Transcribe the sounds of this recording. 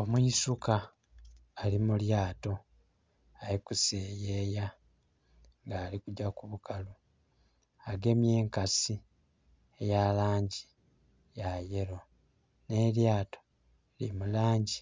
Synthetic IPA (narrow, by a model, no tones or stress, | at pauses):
o̞mwuisukaː | limuljaːto̞ | aɾikuseːjeːja | ŋɡaːlikuɟakuβukalo | aɡe̞mje̞ːŋkasi | ejalaːɲɟi | jaje̞ɾo | ne̞ljaːto̞ | lḭmulaːɲɟi